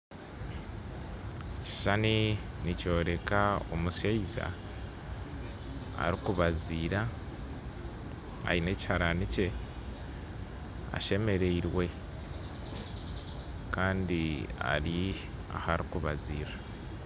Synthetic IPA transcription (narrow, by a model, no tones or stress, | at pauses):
ci̥ʃani | nico̞ːɾe̞kao̰musaiza̰ | a̰ɾikuβaziːɾa | a̰ine̞ci̥haɾanice̞ | a̰ʃe̞me̞ɾeiɾwe̞ | kaːndia̰ɾi | a̰haɾikuβaziːɾa